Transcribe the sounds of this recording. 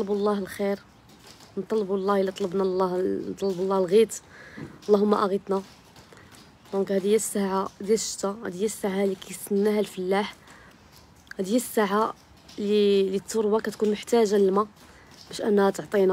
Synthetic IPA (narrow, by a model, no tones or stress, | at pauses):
t̪lblˤːɑhlxiɾ | nt̪ˤːɑlbulˤːɑhlːit̪ˤɑləbnɑlːɑhnt̪ˤɑlblˤːɑhlɣit̪ | lˤːɑhʊmːæʔæɣit̪na | d̪õkhæd̪əjːæsːaʕad̪jæʃt̪ahæd̪əjːæsːaʕalikæjsənːæhælfəlːaħ | hæd̪jːæsːaʕa | lilit̪ːoɾbɑkæt̪kunmʊħt̪æʒaləlma | b̥æʃʔənːhæt̪oʕt̪ˤina